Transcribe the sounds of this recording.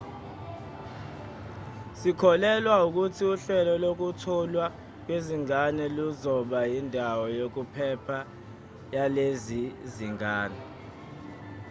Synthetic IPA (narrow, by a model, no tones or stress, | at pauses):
sikʰɔlɛlwauk̬utʰiuɬɛlɔlok̬utʰɔlwa | k̬weziŋanɛluzɔɓajindʱawɔjok̬upʰɛpʰa | jaleziziŋʱaːnɛ